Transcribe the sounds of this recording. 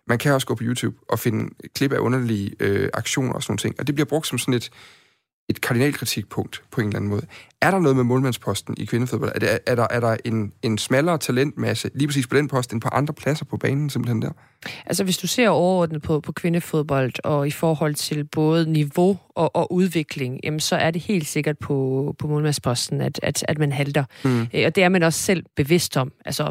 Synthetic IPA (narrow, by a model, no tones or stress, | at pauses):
mænkʰæɒ̽sɡ̥ɔ̰̽ːpʰɒjuːt͡sʰṵːb̥ʔɒ̽fe̝nəkʰle̝b̥æʔɔ̽nɐliøɑ̈ɡ̥ɕo̝̰ːnɐ̰ɒsnoːn̩t͡sʰḛŋ̰ɒ̽d̥eb̥liɐb̥ʁɔ̽ɡ̚d̥sɒ̽msɒ̽ne̝d̥ | e̝d̥kʰɑ̈d̥inɛ̰ːlkʰʁit͡sʰiɡ̥̚pʰɔ̽ŋ̰d̥pʰɒ̽e̝nelæn̩mɔːð̞̩ˠæɐɾɑ̈nɔ̽ːðˠmemɔ̽ːlmænspʰɒ̽sd̥n̩ikʰʋe̝nəfoðb̥ɒ̽l̰d̥d̥ʔæɐɾɑ̈ʔæɐɾ̥ɑ̈ʔe̝ne̝nsmælɐːt͡sʰælen̰d̥mæsəliːpʰʁɐsḭːspʰɒ̽d̥enpʰɒ̽sd̥e̝npʰɑ̈ʔɑ̈nd̥ʁɐpʰlæsɐpʰɒ̽b̥ɛːnn̩semb̥l̩hend̥æɐ̰ | ʔælsəʋe̝sd̥use̝ɐ̰ɒʊɐɒːd̥nð̩ˠpʰɒ̽pʰɒ̽kʰʋe̝nəfo̝ð̞ˠb̥ɒ̽l̰d̥ɒ̽ifɒːhɒ̽l̰t͡sʰe̝lb̥ɔ̽ːð̞̩ˠniʋo̝ɒʔɒ̽ʔuð̞ˠʋe̝ɡ̥le̝ŋjæmnsɒ̽ʔæɐde̝he̝̰ːld̥se̝ɡ̥ɐd̥̚pʰɒ̽pʰɒ̽moːlmænspʰɒ̽sd̥n̩æd̥æd̥æd̥mænɦæld̥ɐɒ̽d̥e̝æɐmænɒ̽sːel̰b̥e̝ʋe̝sd̥ɒ̽m̰ʔælsɐ